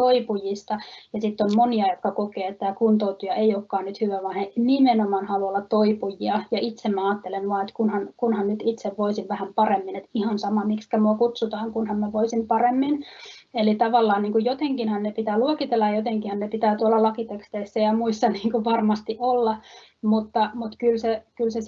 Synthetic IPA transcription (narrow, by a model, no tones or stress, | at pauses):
oipujist̪ɑjɑsit̪ːommoniɑjot̪kɑkokeːt̪t̪ːæːkunt̪out̪ujɑeiokːɑːnnyt̪hyʋæʋɑnhenimenomɑːnhɑluolːɑt̪toipujiɑjɑit̪semmæɑːt̪ːelenʋuɑet̪kunhɑnkunhɑnnyt̪it̪seʋʋoisiʋʋæhæmpɑremːinet̪ihɑnsɑmɑmikskæmuɑkut̪sut̪ɑːŋkunhɑmmæʋoisimpɑremːin | elit̪ɑʋɑlːɑːnniːŋkujjot̪eŋkinhɑnnepit̪æːluokit̪elːɑjjot̪eŋkihɑnnepit̪æːt̪uolːɑlɑkit̪ekst̪eisːæjɑmuisːɑniːŋkuʋɑrmɑst̪iʔolːɑ | mut̪ːɑmut̪kylsekylses